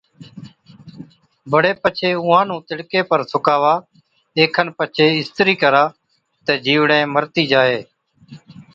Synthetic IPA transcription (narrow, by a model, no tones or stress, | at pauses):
bəɽeːpət͡ʃʰeːʊɦãːnũːt̪ɪɽkeːpəɾsʊkaːʋaː | eːkʰənpət͡ʃʰeːɪst̪ɾiːkəɾaː | t̪eːd͡ʒiːʋɽẽːməɾt̪iːd͡ʒaːɦeː